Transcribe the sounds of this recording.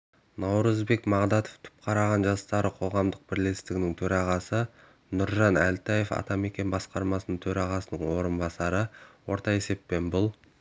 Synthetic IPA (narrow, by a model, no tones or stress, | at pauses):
nɑwɾəzbe̞kmɑʁd̪ɑt̪o̥ft̪ʰʏ̥p̚qʰɑɾɑʁɑnʒɑst̪ɑɾəqʰo̞ʁɑmd̪əq̚bɪɾle̞st̪ɪɡɪnɪŋt̪ʰɵɾɑʁɑsə | nʊɾʒɑnælt̪ɑje̞fɑ̰t̪ɑme̞kʲe̞nbɑsqɑɾmɑsənəɴt̪ʰɵɾɑʁɑsənəɴwo̞ɾənbɑsɑɾəwo̞ɾt̪ɑe̞se̞pːe̞nbʊlˠ